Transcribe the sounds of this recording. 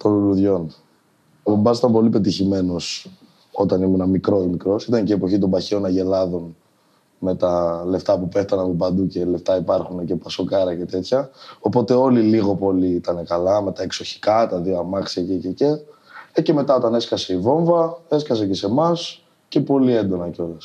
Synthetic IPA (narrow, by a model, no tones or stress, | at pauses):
t̪o̞nuluðʝo̞n | ombɐsi̥t̪ɐmpo̞lipe̞t̪içime̞no̞s | o̞t̪ɐnimunɐmikɾo̞imikɾo̞sit̪ɐnceːpo̞çit̪o̞mbɐçeo̞nɐʝe̞lɐðo̞n | me̞t̪ɐle̞ft̪ɐpupe̞ft̪ɐnɐpopɐnd̪uce̞left̪ɐipɐɾxunece̞pɐsokɐɾɐce̞t̪e̞t̪çɐo̞po̞t̪e̞o̞liliɣo̞po̞liit̪ɐne̞kɐlɐme̞t̪ɐekso̞çi̥kɐt̪ɐðioɐmɐksiɐcececece̞me̞t̪ɐo̞t̪ɐne̞skɐse̞ivo̞ɱvɐe̞skɐse̞ce̞se̞mɐs | ce̞po̞lie̞nd̪o̞nɐceo̞lɐs